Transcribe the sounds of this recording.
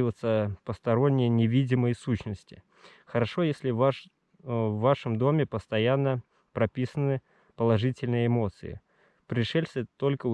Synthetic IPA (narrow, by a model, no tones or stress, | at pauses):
ɪvət̪səpəst̪ɐɾo̞nʲːɪjənʲɪvʲidʲɪməjsuɕnəsʲtʲɪ | xəɾɐʂojesʲlʲɪva | vːaʂəmd̪o̞mʲɪpəst̪ɐjanːə | pɾɐpʲisənɨ | pəlˠɐʐɨtʲɪlʲnɨjəɪmo̞t̪sɨ̰ɪ̰ | pɾʲɪʂɛlʲsʲt̪o̞lʲkə